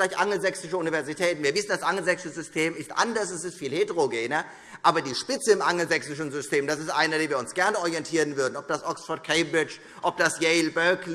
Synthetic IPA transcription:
laɪçʔaŋl̩zɛksɪʃəunivɛɐzitʰɛːtn̩viːɐvɪsn̩d̥asʔaŋl̩zɛksəzʏstʰeːmɪstʔa̰ndɐsɛsɪstfiːlhetəʁoɡeːnɐ | ʔaːbɐdiːʃpɪt͡səɪmʔaŋl̩zɛksɪʃn̩zʏstʰeːmd̥asɪstʔaɪnɐdeːnviːɐʊnsɡ̥ɛɐnəɔʁijɛntʰiːʁən̩vʏɐdn̩ɔp̚d̥asʔɔksfɔɐt̚kʰɛɪbɪt͡ʃ | ʔɔp̚d̥asjɛɪlbœkl

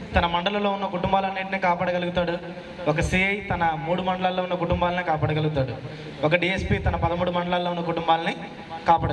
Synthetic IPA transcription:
t̪ɐnɐmɐɳɖɐlɐlo̞ːunːɐkuʈumbaːlɐnːiːʈiniːkaːpaːɽɐɡɐluɡut̪aːɽu | ɔk̬ɐsiːɐjt̪ɐnɐmuːɽumɐɳɖɐlaːlːoːunːɐkuʈumbaːlɐnikaːpaːɽɐɡɐluɡut̪aːɽu | ɔk̬ɐɖiːespiːt̪ɐnɐpɐd̪ɐmuːɽumɐɳɖɐlaːlːounːɐkuʈumbaːlɐni | kaːpaːɽ

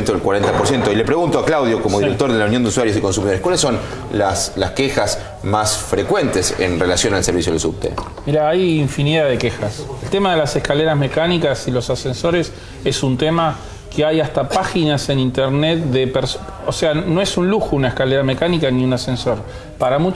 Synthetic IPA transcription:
nt̪oðelkwaɾent̪apoɾsjent̪oile̞pɾeɣunt̪oaklawðjo̞komoðiɾek̚t̪o̞ɾðelawnjond̪uswaɾjo̞s̬iko̞ns̬umiðoɾekwalesːon | laslaskexas | masfɾekwe̞nt̪esḛnrelasjo̞nalseɾβisjoðelsṵp̚t̪ḛ | miɾaajiɱfiniðaðekexaselt̪e̞maðe̞lase̞hkaleɾazme̞kanikasilo̞sasenso̞ɾe̞s | e̞sunt̪ema | keajast̪apaxinase̞nint̪eɾnet̪̚ðepeɾs | oseano̞esunluxounaehkaleɾame̞kanikaniunase̞nso̞ɾ | paɾamut͡ʃ

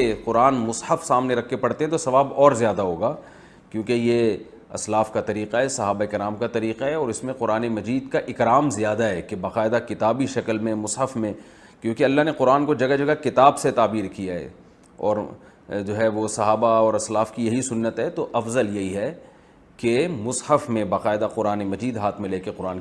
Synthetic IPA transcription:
eqʊɾaːnmʊsħəfsaːmneɾɐkʰːepɐɽt̪ẽɦɛ̃t̪osɐʋaːbɔːɾzjaːd̪aɦoːɡaː | kjõːkeje | ɐ̰slaːfkat̪ɐɾiːqaɦɛsɐɦaːbaeɪkɾaːmkat̪ɐɾiːqaɦɛɔːɾɪsmẽqʊɾaːnemɐd͡ʒiːd̪kaʔɪkɾaːmzijaːd̪aɦɛːkebaːqaːɪd̪akɪt̪aːbiʃɐkəlmẽmʊsħəfmẽ | kjõːkeɐlːaɦneqʊɾaːnkod͡ʒɐɡad͡ʒɐɡakɪt̪aːbset̪aːbiːɾkijaɦɛ̰ | ɔ̰ːɾ | d͡ʒoːɦɛʋosɐɦaːbaɔːɾɐslaːfkijɐɦisʊnːət̪ɦɛt̪oʔɐfzəljɐɦiɦɛ | kemʊshəfmẽbaːqaːɪd̪aqʊɾaːnemɐd͡ʒiːd̪ɦaːt̪ʰmẽleːkeqʊɾaːn

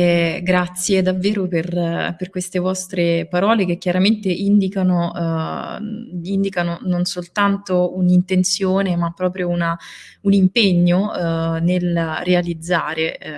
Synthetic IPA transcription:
ɛɡɾat̪sːjed̪avːeːɾoperperkwest̪evɔst̪ɾepaɾɔːlek̟ekjaɾament̪eʔind̪ikano | ind̪ikanononsolt̪ant̪ounint̪ent̪sjoːnemapːɾɔːpɾjouna | unimpeɲːonelrealid̪zːaːɾe

